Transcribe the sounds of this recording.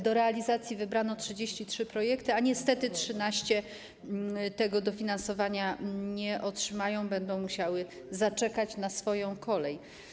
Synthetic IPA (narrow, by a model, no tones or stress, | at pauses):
d̪ɔɾɛalʲizat̪sʲjivɘbɾanɔtʂɘd͡ʑeɕt͡ɕitʂɘpɾɔjɛkt̪ɘaɲɛst̪ɛt̪ɘtʂɘnaɕt͡ɕɛ | t̪ɛɡɔd̪ɔfʲinansɔvaɲaɲɛʔɔtʂɘmajɔ̃w̃bɛnd̪ɔ̃w̃muɕawɘ | zat͡ʂɛkat͡ɕnasfɔjɔ̃w̃kʰɔlɛj